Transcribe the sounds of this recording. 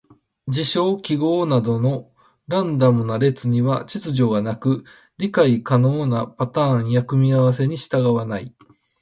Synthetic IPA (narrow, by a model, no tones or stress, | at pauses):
d͡ʑiɕo̞ːkʲiɡo̞ːnad̪o̞no̞ | ɾãnd̪amɯ̟naɾe̞t͡sɨɲ̟iβat͡ɕit͡sɨʑo̞ːɡanakɯ̟ | ɾʲikaikano̞ːnapat̪ãːɰ̃jakɯ̟mʲiaβas̬e̞ɲ̟iɕi̥t̪aɡaβanai